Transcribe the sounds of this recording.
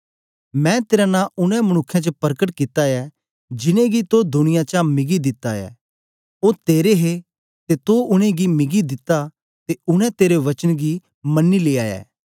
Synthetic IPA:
mɛ̃ːt̪eːɾanãːʊnɛ̃mɐɽ̃ʊkʰːãt͡ʃəpɐɾkəʈkɪt̪ːajɛ | d͡ʒɪnẽɡit̪od̪ʊñɪjãt͡ʃamɪɡid̪ɪt̪ːajɛ̰ː | oːɾt̪eːɾeɦe | t̪et̪oʊñẽɡimɪɡid̪ɪt̪ːa | t̪eʊɽ̃ɛ̃t̪eːɾeʋɐt͡ʃənɡi | mɐnːileːaːjɛ̰ː

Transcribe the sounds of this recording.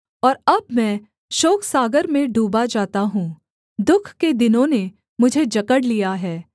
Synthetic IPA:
ɔːɾɐbmɛ̃ː | ʃoːksaːɡəɾmẽɖuːbad͡ʒaːt̪aɦũː | d̪ʊkʰked̪ɪnõne | mʊd͡ʒʱed͡ʒɐkəɽlijaɦɛː

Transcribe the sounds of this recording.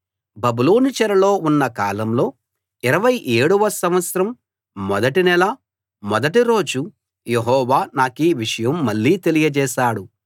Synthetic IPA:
bɐbuloːnit͡ʃɐɾɐlo̞ːunːɐkaːlɐmlo̞ː | iɾɐʋɐjʔeːɽuʋɐsɐmʋɐt̪sɐɾɐmː | ɔd̪ɐʈinɛlɐ | mɔd̪ɐʈiɾo̞ːd͡ʒu | jeɦɔːʋaːnaːkiʋiʂɐjɐmːɐɭːiːt̪e̞lijɐd͡ʒɛːʃaːɽu

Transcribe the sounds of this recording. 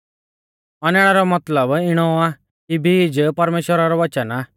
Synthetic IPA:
ɔnɛɽ̃aɾɔmɐt̪ləbɪɽ̃ɔa | kibʱiːd͡ʒpɐɾmeːʃwəɾaɾɔʋɐt͡ʃəna

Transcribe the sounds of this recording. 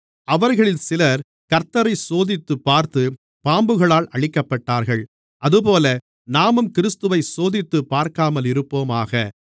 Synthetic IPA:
ʔɐʋɐɾɣɐɭɪlsɪlɐɾ | kɐɾt̪ɐɾɐɪsoːðɪt̪ːɯpːaːɾt̪ɯ | paːmbɯɣɐɭaːlɐɭɪkːɐpːɐʈːaːɾɣɐɭ | ʔɐðɯpoːlɐ | naːmɯmkɪɾɪst̪ɯʋɐɪsoːðɪt̪ːɯpːaːɾkaːmɐlɪɾɯpːoːmaːɣɐ

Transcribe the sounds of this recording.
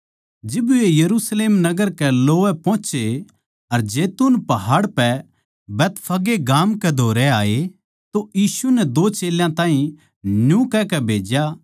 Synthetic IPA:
d͡ʒɪbuejɐɾusleːmnɐɡəɾkɛloːʋɛpɔ̃ːt͡ʃe | ɐɾd͡ʒeːt̪unpɐɦaːɽpɛ | bɛːt̪pʰɐɡeɡaːmkɛd̪ʱoːɾɛaːe | t̪ojiːsunɛd̪oːt͡ʃeːljãt̪ãːɦĩ | njũkɛkɛbʱeːd͡ʒja

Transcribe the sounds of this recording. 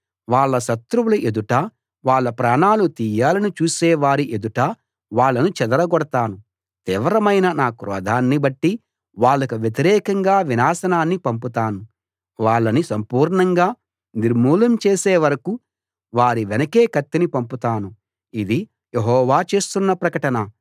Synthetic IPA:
ʋaːɭːɐʃɐt̪ɾuwuluʔe̞d̪uʈaː | ʋaːɭːɐpɾaːɳaːlut̪iːjaːlɐnit͡ʃuːsɛːʋaːɾiʔed̪uʈaː | ʋaːɭːɐnut͡ʃɛd̪ɐɾɐɡɔɽɐt̪aːnu | t̪iːʋɾɐmɐjnɐnaːkɾɔ̰ːd̪ʱaːnːibɐʈːi | ʋaːɭːɐkuʋjɐt̪iɾɛːkɐŋɡaːʋinaːsɐnaːnːipɐmput̪aːnu | ʋaːɭːɐnisɐmpuːɾɳɐŋɡaː | niɾmuːlɐmt͡ʃeːsɛːʋɐɾɐku | ʋaːɾiʋɛnɐkeːkɐt̪ːinipɐmput̪aːnu | id̪i | jeɦɔːʋaːt͡ʃe̞ːst̪unːɐpɾɐkɐʈɐnɐ

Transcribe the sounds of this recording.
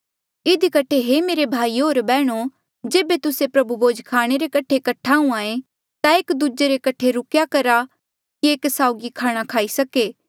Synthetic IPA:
ɪd̪ʱikɐʈʰeɦemeːɾebʱaːiɦoːɾbɛːɽ̃o | d͡ʒeːbet̪ʊsepɾɐbuboːd͡ʒkʰaːɽ̃eɾekɐʈʰekɐʈʰaːũaːẽ | t̪aeːkd̪ud͡ʒeɾekɐʈʰeɾʊkjakɐɾa | kieːksaːʊɡikʰaːɽ̃akʰaːisɐkeː

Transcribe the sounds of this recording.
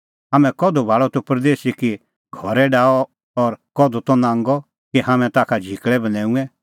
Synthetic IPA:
ɦaːmɛ̃kɔd̪ɔbʱaːɭɔt̪ɔpɾd̪eːsiki | ɡʱɔɾɛɖaːɔ | ɔɾkɔd̪ɔt̪ɔnãːŋɡɔ | kiɦaːmɛ̃t̪aːkʰad͡ʒʱikɭɛbɐnɛ̃ːũɛ̃

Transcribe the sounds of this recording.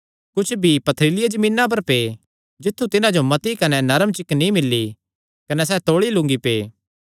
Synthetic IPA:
kʊt͡ʃʰbʱipɐt̪ʰɾɪːlɪjed͡ʒɐmĩːnːap̬ɐɾpeː | d͡ʒɪt̪ʰːut̪ɪnãd͡ʒomɐt̪ikɐnɛnɐɾəmt͡ʃɪknĩmɪlːi | kɐnɛs̬ɛːt̪oːɭilʊ̃ŋɡipeː

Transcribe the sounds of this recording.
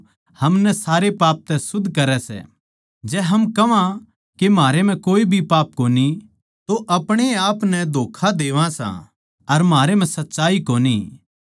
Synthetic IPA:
hɐmnɛsaːɾepaːp̚t̪ɛsʊd̪ʱːkɐɾɛsɛ̰ | d͡ʒɛːɦɐmkɐʋã | kemaːɾem̤ɛ̃koːibʱipaːp̚koːni | t̪oʔɐpɽ̃eaːpnɛd̪ʱoːkʰad̪eːʋãsã̰ | ɐɾmɦaːɾem̤ɛ̃sɐtːʃaːikoːnḭ

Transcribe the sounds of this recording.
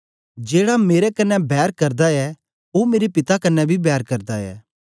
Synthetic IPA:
d͡ʒeːɽameːɾɛkɐnːɛbɛːɾkɐɾd̪aɛ | oːmeːɾipɪt̪akɐnːɛbʱibɛːɾkɐɾd̪aɛ̰ː

